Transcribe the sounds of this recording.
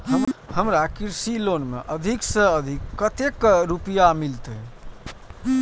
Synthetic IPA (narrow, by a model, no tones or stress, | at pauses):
ɦəhəmɾakiɾsilonmḛʔəd̪ʱiksə̃əd̪ʱikːət̪ekɾupijamilt̪ə